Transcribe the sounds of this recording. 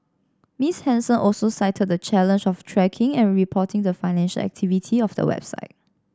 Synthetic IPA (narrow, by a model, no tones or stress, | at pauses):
mishɛ̃nsə̃nʔɔlsosaɪtʰəd̚dət͡ʃɛlə̃nd͡ʒɔftʰɹɛkʰɪ̃ŋɛ̃nɹipʰɔtʰɪ̃ŋdəfaɪnɛ̃nʃə̰lɛ̰k̚tʰivitʰiɔfdə̰wɛ̰b̥sa̰ɪt̚